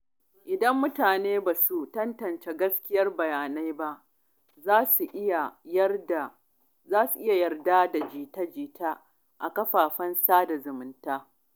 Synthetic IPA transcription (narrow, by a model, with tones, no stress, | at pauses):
ʔɪ˨dɐ˦mːʊ˦taː˨neː˦baː˨su˨tɐ˦ntɐ˨nt͡ʃe˦ɡɐ˦skʲɪ˦jɐ˦rbɐ˨jaː˨na˦jba˦ʔ | zaː˦su˨ʔja˨˦da˨ | zaː˦su˨ʔɪ˦ja˨jɐ˨rdaː˦da˨d͡ʒiː˨tɐ˦d͡ʒiː˦taː˦ | ʔa˨kɐ˦ɸaː˨ɸɐ˦nsaː˦da˨zʊ˨mʊ˦ntaː˦